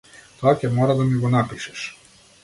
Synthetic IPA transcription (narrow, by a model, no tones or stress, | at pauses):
t̪oakʲɛmɔɾad̪amiɡɔnapiʃɛ̥ʃ